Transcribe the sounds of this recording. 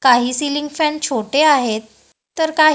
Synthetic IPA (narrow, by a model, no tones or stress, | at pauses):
kaɦiːsiliŋɡfɛnt͡ɕʰoʈeaɦet̪ː | əɾkaɦ